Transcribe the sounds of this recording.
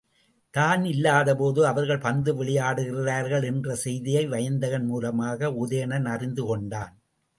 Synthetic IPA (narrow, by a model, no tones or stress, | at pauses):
t̪aːnɪlːaːðɐpoːðɯɐʋɐɾɣɐɭpɐnd̪ɯʋɛɭɪjaːɽɯɣɪɪraːɾɣɐɭɛndrɐsɛjðɪjɐɪʋɐjɐnd̪ɐɣɐnmuːlɐmaːɣɐʊðɐjɐnɐnɐrɪnd̪ɯkɔɳɖaːn